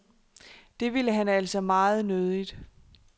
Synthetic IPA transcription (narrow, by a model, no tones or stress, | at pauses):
d̥e̝ʋiləɦænæl̰sɒ̽mɑ̈ːð̞̩ˠnøð̞ˠid̥